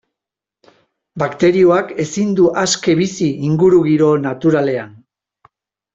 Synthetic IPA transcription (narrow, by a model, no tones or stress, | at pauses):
bakt̪e̞ɾio̞ake̞sind̪uʔaske̞βisiːŋɡuɾuɣiɾo̞nat̪uɾale̞an